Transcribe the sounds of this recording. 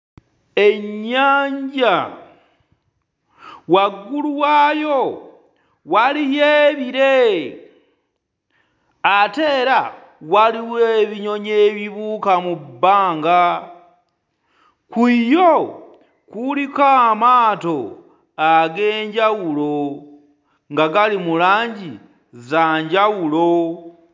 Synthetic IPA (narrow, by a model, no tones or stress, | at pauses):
eɲɲaːɲɟa | waɡuluwajo | walijeβiɾe | ateːɾa | waliweβiɲo̞ɲeβiβukamubaːŋɡa | kiːjo | kulikamato | aɡeːɲɟawulo̞ | ŋɡaɡalimulaːɲɟi | zaɲɟawulo